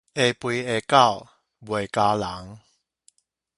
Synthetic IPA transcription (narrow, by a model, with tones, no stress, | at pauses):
ʔe˨pwi˧e˨˩ka˥˨w | bwe˨˩jka˧la˨˦ŋ